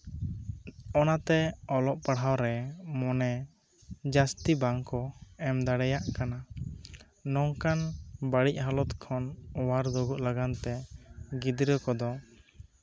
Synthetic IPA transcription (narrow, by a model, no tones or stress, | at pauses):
ɔnat̪ɛɔlɔʔpaɽ̤awɾɛmɔnɛ | d͡ʒast̪ibaŋkɔɛmd̪aɽɛjaʔkana | nɔŋkanbaɽic̚ɦalɔt̪kʰɔnɔwaɾd̪ɔɡuʔlaɡant̪ɛɡid̪ɾəkɔd̪ɔ